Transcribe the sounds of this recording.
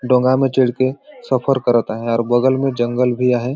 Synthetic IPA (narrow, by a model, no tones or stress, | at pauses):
ɖõːŋɡamẽt͡ʃeɽkesəpʰəɾkəɾət̪aɦɛɔːɾbəɡəlmẽd͡ʒə̃ŋɡəlbʱiaːɦe